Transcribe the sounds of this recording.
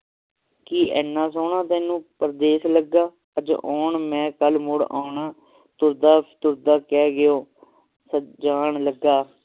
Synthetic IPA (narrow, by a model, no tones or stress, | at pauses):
kiːʔɛːnːãːsoːɳãːt̪ɛ̃ːnũːpəɾd̪eːsləɡːaː | əd͡ʒ̰ʔoːɳmɛ̃ːkəlmʊɽa̰ːɳaː | t̪ʊɾd̪aːt̪ʊɾd̪aːkɛːɡɪoː | səd͡ʒaːɳləɡaː